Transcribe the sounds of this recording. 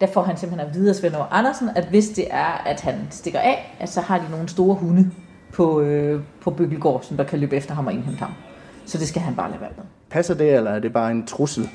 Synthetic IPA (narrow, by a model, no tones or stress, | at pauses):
d̥æfɒ̰ːɦænsemb̥̩henʋiːð̞ˠɐsʋenɒʔɑnɐsn̩æd̥ʋe̝sd̥e̝ʔæɐæd̥hænsd̥e̝ɡ̥ɐʔɛ̰ːæsɒ̽hɑ̈d̥ino̝ːn̩sd̥o̝ːɐɦunə | pʰɒ̽øpʰɒ̽b̥øɡ̥l̩ɡ̥ɒ̰ːsɒ̽md̥ɑ̈kʰælø̰ːb̥əefd̥ɐɦɑ̈mɒ̽e̝nɦem̰d̥hɑ̈m | sɒ̽d̥e̝sɡ̥æɦænb̥ɑ̈ːlɛ̰ːʋæɐ̰ɡ̥ð̩ˠ | pʰæsɐd̥e̝elɐæɐd̥e̝b̥ɑ̈ːe̝nt͡sʰʁusl̩